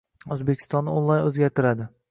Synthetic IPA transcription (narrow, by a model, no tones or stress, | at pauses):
ɵzbekʲʰɪ̥st̪ɒnːɪonlˠajnɵzɡʲaɾt̪ʰɪɾad̪ɪ